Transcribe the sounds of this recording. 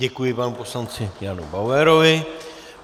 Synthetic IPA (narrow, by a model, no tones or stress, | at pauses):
ɛkujɪpanupo̞slant͡sɪjanṵbawɛɾovɪ